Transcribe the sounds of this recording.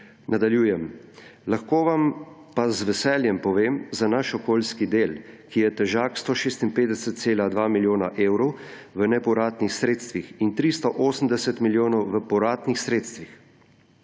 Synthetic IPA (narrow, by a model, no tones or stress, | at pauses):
nad̪aljuːjɛmlaxkoːʋampazʋɛsɛːljɛmpɔʋeːmzanaʃɔkoːlskid̪eːlkijɛt̪ɛʒaːkst̪ɔʃeːst̪inpeːd̪ɛsət̪̚seːlad̪ʋaːmiljoːnaʔeːwɾɔw | ʋənɛpɔɾaːt̪nixsɾeːt̪st̪ʋixint̪ɾist̪ɔʔoːsəm̩d̪ɛsɛt̪miljoːnɔwʋəpɔɾaːt̪nixsɾeːt̪st̪ʋix